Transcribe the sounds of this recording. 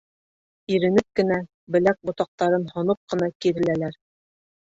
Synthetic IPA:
iɾɘ̆nɘp̚kɘ̆næ | bɘ̆læk̚bŏt̪ɑq̚t̪ɑɾɤnhŏnɤp̚qɤ̆nɑkiɾɘ̆lælæɾ

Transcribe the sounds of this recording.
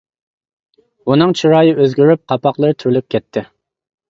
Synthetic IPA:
unɨŋt͡ʃʰiɾɑːjɨʔøzɡʲyɾyp̚qʰɑpɑqlˠəɾt̪ʰyɾlyp̚ʲkʲʰɛt̪ʰːɪ

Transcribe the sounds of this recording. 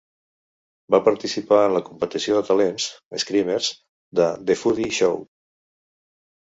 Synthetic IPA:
bapəɾt̪isipaənləkumpət̪isioðət̪əlenz̥əskɾimeɾz̥ | d̪əd̪efuðiʃow

